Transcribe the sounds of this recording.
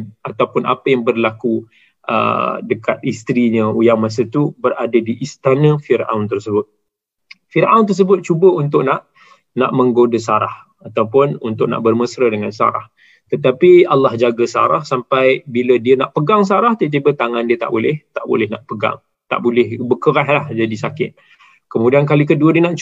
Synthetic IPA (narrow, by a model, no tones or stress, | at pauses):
nat̪awpʊna̰pəjaŋbərlaku | ʔə̰dəkat̪̚ist̪ɾiɲəujaŋmas̬ət̪ubəradadiʔist̪anə̃firʔa̰wnt̪ərsəbʊt̪̚ | fiɾʔawnt̪ərs̬əbʊt̪̚t͡ʃubəunt̪̬ʊʔ̚naʔ | na̰ʔmə̃ŋɡodəsaɾa̰h | at̪awpʊnunt̪ʊʔ̚na̰ʔbərməsɾədəŋansa̰ɾa̰h | t̪ət̪apialːahd͡ʒaɡəsa̰ɾahsampajbilədiənaʔpəɡaŋs̬aɾaht̪ət̪̬ibət̪aŋandiət̪a̰ʔbolɪht̪aʔbo̰lɪhna̰ʔpəɡa̰ŋ | t̪a̰ʔbolɪhbəkəɾaɦlahd͡ʒadisakɪt̪̚ | kəmudiankalik̬əduədiənaʔt͡ʃ